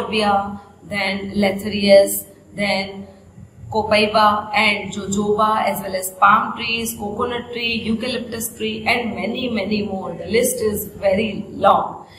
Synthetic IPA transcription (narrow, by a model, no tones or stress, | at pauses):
ɾbia | d̪ɛ̃nlɛt̪ʰəɾiəs | d̪ɛ̃n | koːpəɪʋaɛ̃ɳɖd͡ʒoːd͡ʒoːʋaɛzʋɛlɛzpãːmʈɾiːzkoːkonəʈɾiːjuːkɪlɪp̚ʈəsʈɾiːʔɛ̃ɳɖmɛnimɛnimoːɾd̪əlɪsʈɪzʋɛɾilɔ̃ːŋɡ